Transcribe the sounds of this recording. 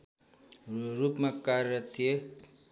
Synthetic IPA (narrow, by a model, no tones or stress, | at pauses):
ɾupmakaɾʌt̪ʰije